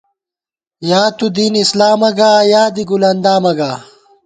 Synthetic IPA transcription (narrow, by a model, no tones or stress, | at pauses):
jaːt̪ud̪iːnislaːmɐɡaːjaːd̪iɡulɐnd̪aːmɐɡaː